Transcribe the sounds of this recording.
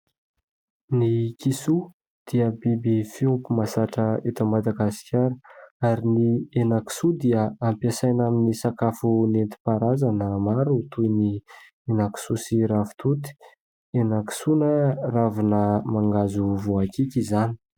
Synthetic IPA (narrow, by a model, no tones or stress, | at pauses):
nikisu | d̪̥iəbibifiumpumasaʈ͡ʂəet̪əmad̪aɡasi̥kʲaɾəaɾinienaki̥sud̪iəampiasajnaminisakafunent̪i̥paɾazanəmaɾut̪ujni | enaki̥susiɾafu̥t̪ut̪i̥ | enaki̥sunəravinəmaŋɡazuvoakikʲizani̥